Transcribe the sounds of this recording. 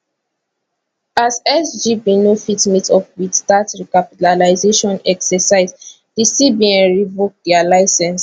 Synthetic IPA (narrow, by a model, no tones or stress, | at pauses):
azɛsd͡ʒibinofitmitɔpwidstatɹikapitalaɪzeʃɔ̃nɛksɛsaɪz | d̥isibiɛ̃nɹivok̚dɛalaɪsɛ̃ns